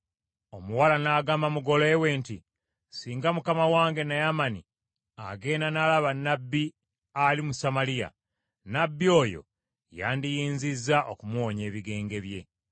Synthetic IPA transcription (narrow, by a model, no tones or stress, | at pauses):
o̞muwalanaːɡaːmamuɡo̞le̞we̞ːnti | siːŋɡamukamawaːŋɡe̞najamanḭ | a̰ɡe̞ːnanalaβanːabːi | alimusamalija̰ | nabːio̞ːjo̞̰ | ja̰ːndijiːnzizːaʔokumwo̞ɲe̞ːβiɡe̞ːŋɡe̞βje̞